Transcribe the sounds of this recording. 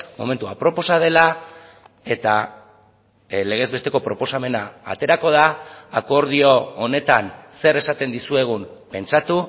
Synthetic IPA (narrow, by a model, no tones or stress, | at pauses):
mo̞̰me̞nt̪uapɾo̞po̞sað̞e̞la | e̞t̪a | le̞ɣ̞e̞zβe̞st̪e̞ko̞pɾo̞po̞same̞na̰ːt̪e̞ɾako̞ð̞aːko̞ɾð̞io̞one̞t̪anse̞ɾe̞sat̪e̞nd̪isue̞ɣ̞umpe̞nt͡ʃat̪u